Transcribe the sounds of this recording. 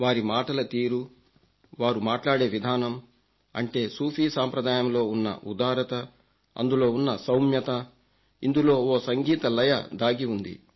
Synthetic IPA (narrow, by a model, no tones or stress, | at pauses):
ʋaːɾimaːʈɐlɐt̪iːɾu | ʋaːɾumaːʈlaːɽe̞ːʋid̪ʱaːnɐm | ɐ̰ɳʈe̞ːsuːfiːsaːmpɾɐd̪aːjɐmlo̞ːunːɐ̰ʔud̪aːɾɐt̪ɐ | ɐ̰nd̪ulo̞ːunːɐsɐwmjɐt̪ɐ | ind̪ulo̞ːoːsɐŋɡiːt̪ɐlɐjɐ̰d̪aːɡiund̪ḭ